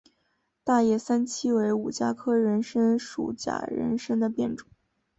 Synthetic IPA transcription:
t̪a˥˧jɛ˥˩sa˥nt͡ɕʰi˥we˧˥ɪu˨˩t͡ɕja˥kʰɤ˥ɻə˧˥nʂə˥nʂṵ˨˩t͡ɕja̰˨˩ɻə̰˧˥nʂə˥ŋd̪ə˨pjɛ˥˩nʈ͡ʂʊ˨˩˦

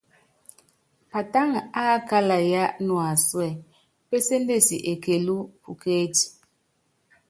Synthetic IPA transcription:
pa˨ta˦ŋ˨a˦ka˦la˨ja˦ʔnwa˨swɛ˨ | pe˦se˦nde˦˨si˨ʔe˨ke˨lu˦pʰu˨ke˦ti̥˨

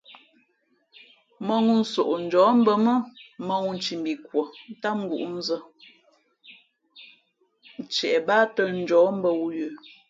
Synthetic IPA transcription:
mə˦ŋu˦n̩˦so˨ʔn̩˨d͡ʒɔː˨˦m̩˦bə˦mə˦mə˦ŋu˦n̩˦t͡ʃi˨mbi˨kwə˨n̩˦ta˦ŋ̩˦ɡu˨ʔn̩˦zə˦ | n˨t͡ʃɛ˨ʔɛ˨baː˦tə˦n̩˦d͡ʒɔː˨˦m̩˦bə˦wu˦jə˨

